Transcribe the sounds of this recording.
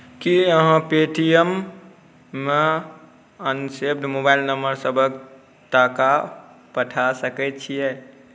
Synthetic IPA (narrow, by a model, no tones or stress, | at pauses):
kiəɦãpeʈijəmː | e | ənsebd̪mobailnəmbəɾsəbʱək | t̪akapəʈʰasəkɛt̪̚t͡ʃʰijɛ